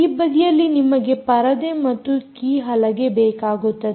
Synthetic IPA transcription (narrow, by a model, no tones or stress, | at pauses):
ibɐd̪ijɐlːinimɐɡe̞pɐɾɐd̪emɐt̪ːukiːɦɐlɐɡe̞bɛːkaːɡut̪ːɐd̪e